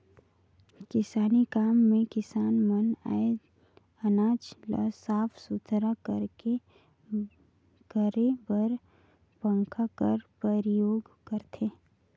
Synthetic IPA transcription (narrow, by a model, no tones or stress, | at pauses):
kɪsaːnikaːmːẽkɪsaːnməna̰e | ənaːd͡ʒlə̰saːpʰsʊd̪ʰʱɾakəɾke | kəɾebəɾ | pə̃ŋkʰakəɾpəɾjoːɡkəɾt̪ʰeː